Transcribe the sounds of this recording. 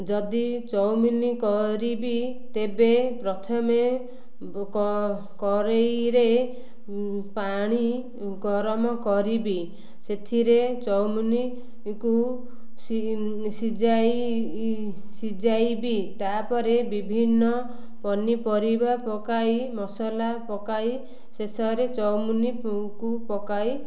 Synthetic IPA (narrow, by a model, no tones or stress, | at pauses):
d͡ʒɔd̪it͡ʃɔwmunikɔɾibi | t̪ebepɾɔt̪ʰɔme | kɔ | kɔɾejɾe | paɽ̃i | ɡɔɾɔmɔkɔɾibi | set̪ʰiɾet͡ʃɔwmuni | ku | ssid͡ʒaji | sid͡ʒajbit̪apɔɾebibʱinːɔ | pɔnipɔɾibapɔkaimɔsɔlapɔkai | sesɔɾet͡ʃɔwmunikupɔkai